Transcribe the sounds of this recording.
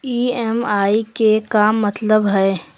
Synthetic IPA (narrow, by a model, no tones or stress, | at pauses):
iːɛːmaːikekamɐt̪ləbɦɛ